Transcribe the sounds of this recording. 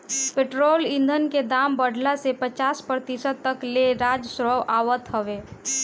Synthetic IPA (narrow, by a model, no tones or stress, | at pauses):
peʈɾoːlĩnd̪ʱənked̪aːmbəɽ̤ʱlasepət͡ʃaːspɾət̪isəd̪̚t̪ːəkleɾad͡ʒsɾəwʔaːwət̪ɦəʋe